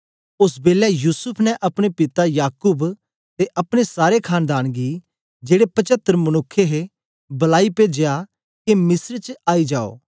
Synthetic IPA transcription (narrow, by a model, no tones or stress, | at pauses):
ʊsbeːlɛjuːsʊpʰnɛʔɐpɽ̃epɪt̪ajaːkʊb | t̪eʔɐpɽ̃esaːɾekʰaːnd̪aːnɡiː | d͡ʒeːɽepɐt͡ʃət̪ːɾmɐnʊkʰːeɦe | bɐlaːiped͡ʒeja | kemɪsɾt͡ʃaːid͡ʒaːo̰ː